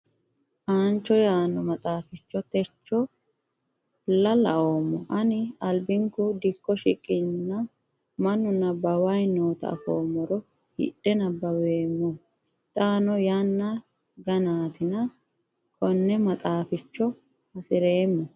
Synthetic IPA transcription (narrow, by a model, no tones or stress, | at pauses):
ʔaːnt͡ʃːɔjaːnːɔmɐt̪ʼaːfɪt͡ʃːɔt̪ɛt͡ʃːɔ | lɐlɐoːmːɔʔɐnɪɐlbɪŋkʊd̪ɪkːɔʃɪkʼːɪnːɐ | mɐnːʊnɐbɐwɐjno̞ːt̪ɐ̰ːfoːmːɔɾɔ | hɪ̰ɗɛnɐbɐweːmːɔ | t̪ʼaːnɔjanːɐ | ɡɐnaːt̪ɪnɐ | kʰɔnːɛmɐt̪ʼaːfɪt͡ʃːɔ | hɐsɪɾeːmːɔ